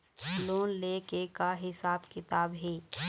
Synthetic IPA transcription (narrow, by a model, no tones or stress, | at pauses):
loːnleːkekaɦɪsaːbkɪt̪aːbɦeː